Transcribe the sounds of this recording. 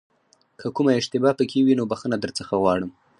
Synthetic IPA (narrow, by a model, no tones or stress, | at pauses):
kʰəkumaɪʃt̪ɪbɑpəkʰewinobaxənad̪əɾt͡səxaɣwɑɽəm